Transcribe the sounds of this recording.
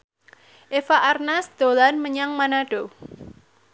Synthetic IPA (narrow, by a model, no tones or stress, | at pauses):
ʔefaʔarnasd̪̥o̤lanməɲaŋmanaɖ̥o